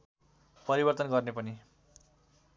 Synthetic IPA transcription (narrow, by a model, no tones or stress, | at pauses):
pʌɾibʌrt̪ʌnɡʌrnepʌni